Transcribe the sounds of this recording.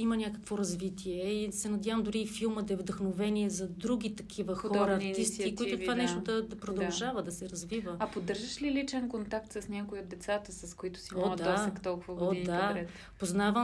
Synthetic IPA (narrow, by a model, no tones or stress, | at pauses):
imənʲjakə̥kvoɾɐzvit̪ʰiɛisɛnɐd̪ʲjavəmd̪ʊɾiːfilˠməd̪ɐɛvd̪ɐxnovɛniɛzɐd̪ɾuɡʲit̪ɐkʰivəxɔɾɐːɾt̪ist̪ik̪oit̪ʊt̪vanɛʃt̪ʊd̪ɐd̪ɐpɾod̪ɐlˠʒavəd̪ɐsɛɾɐzvivəɐpod̪ɤɾʒəʃlilit͡ʃɛnkont̪ak̚t̪səsnʲakʊiod̪ːɛt̪sat̪əsɐskoit̪ʊ̥siod̪aasɛt̪ɔlˠkʊvəɡdoid̪aɾɛt̪ | poznavə